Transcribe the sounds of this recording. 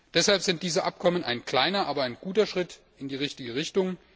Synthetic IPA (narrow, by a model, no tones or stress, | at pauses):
d̥ɛshalpz̥ɪnt̚d̥iːzəʔa̰p̚kʰɔmənaɪnkl̥aɪnɐʔaːbɐaɪnɡuːtɐʃʁ̥ɪt | ɪndiːʁɪçtɪɡəʁɪçtʊŋ